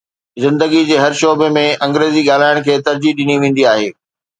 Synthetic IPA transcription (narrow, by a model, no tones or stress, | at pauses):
zɪ̃nd̪əɡid͡ʑeːɦɐɾʃoːbemẽɐ̃ŋɡɾeːziɠaːl̤aːɪɽ̃kʰeːt̪ɐɾd͡ʑiɗɪniʋẽːn̆d̪iaːɦeː